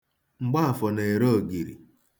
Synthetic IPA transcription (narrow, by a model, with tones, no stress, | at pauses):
ŋ͡m̩˨ɡ͡ba˦a˨fɔ˨ne˨e˨ɾo˦˨ɡi˨ɾḭ˨